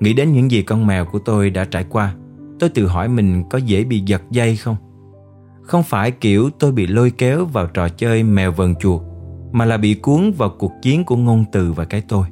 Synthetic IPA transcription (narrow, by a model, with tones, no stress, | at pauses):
ŋḭ˧˥ɗe˨˦nɲɨ̰˧˥ŋzi˨˩kɔ˧nmɛ˨˩wku˧˩ət̪o˧jɗa̰ː˧˥t͡ɕaː˧˩jkwaː˧t̪o˧jt̪ɨ̰˧˨ɦɔ̰˧˩jmï˨˩ŋ̟kɔ˨˦zḛ˧˥ɓḭ˧˨zə˨˩t̚zə˧jxə˧wŋ͡m | xə˧wŋ͡mfaː˧˩jki˧˩əwt̪o˧jɓḭ˧˨lo˧jkɛ˨˦wvaː˨˩wt͡ɕɔ˨˩t͡ɕəː˧jmɛ˨˩wvə˨˩ŋt͡ɕu˨˩ək̚maː˨˩laː˨˩ɓḭ˧˨ku˨˦əŋvaː˨˩wku˨˩ək̚t͡ɕi˨˦ənku˧˩əŋo˧nt̪ɨ˨˩vaː˨˩kaː˨˦jt̪o˧j